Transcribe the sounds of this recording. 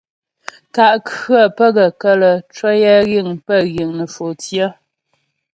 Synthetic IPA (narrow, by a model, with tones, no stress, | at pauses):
ta˨ʔkɰə˦˨pə˦ɣə˨kə˦lə˨t͡ʃwɔ˦jɛ˦ɣi˦˨ŋpə˦˨ɣi˨ŋnə˨fo˨tjə˦